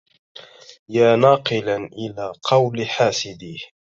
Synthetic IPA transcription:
jaːnɑːqɨlaʔɪlaːqʰɑwlħaːsɪd̪i

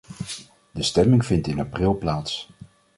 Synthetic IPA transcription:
dəstɛmɪŋv̥ɪntɪnaprɪlˠplaːts

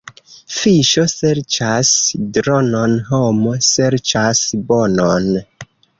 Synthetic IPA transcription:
fiʃo̞se̞ɾt͡ʃasdɾononɦomo̞se̞ɾt͡ʃasbonon

